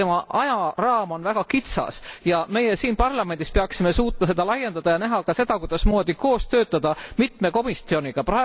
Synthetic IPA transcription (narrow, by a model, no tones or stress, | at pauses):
emɑʔɑjɑrɑːmo̞nvæɡ̥ɑkit̪sɑ̰sjɑme̞jesiːnpɑrlɑme̞nʲd̪ispe̞ɑksime̞suːt̪ːˑmɑse̞d̪ɑlɑjːe̞nd̪̥ɑd̪̥ɑjɑnæɦɑkɑse̞d̪̥ɑkujd̪̥ɑsmo̞ːd̪iko̞ːst̪ø̞ːt̪ːˑɑd̪̥ɑmit̪meko̞mist̪io̞niɡ̥ɑpɾɑe